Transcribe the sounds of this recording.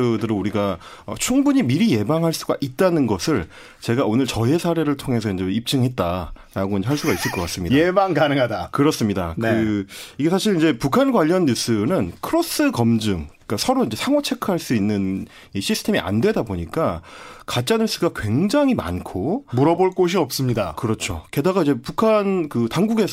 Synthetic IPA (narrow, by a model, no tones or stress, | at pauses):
ɯdɯɾonuɾiɡa | ʌ̰t͡ɕʰuŋbuɲimiɾije̞baŋɦaɭs͈uɡa̰ʔit̚t͈anɯnɡʌsʰɯɭ | t͡ɕe̞ɡaonɯɭt͡ɕʌesʰaɾe̞ɾɯɭtʰoŋɦe̞sʰʌind͡ʑe̞ip̚t͡ɕ͈ɯŋɦe̞t̚t͈aɾaɡoind͡ʑeɦaɭs͈uɡais͈ɯɭk͈ʌk͈as͈ɯmɲidaebaŋkanɯŋɦadakɯɾʌs͈ɯmɲidankɯiɡe̞sʰaɕʰiɾind͡ʑe̞pukʰanɡwaʎːʌnːus͈ɯnɯnkʰɯɾos͈ɯkʌmd͡ʑɯŋ | k͈asʰʌɾoind͡ʑesʰaŋwʌt͡ɕʰe̞kʰɯɦaɭs͈uinːɯn | iɕʰisʰɯ̥tʰe̞miʔa̰ndwe̞daboɲik͈akat͡ɕ͈anus͈ɯɡakwe̞ŋd͡ʑaŋɦima̰nkʰomuɾʌboɭk͈oɕ̬ʰiʌp̚s͈ɯmɲidakɯɾʌt͡ɕʰoke̞daɡaid͡ʑe̞pukʰankɯtaŋɡuɡe̞sʰ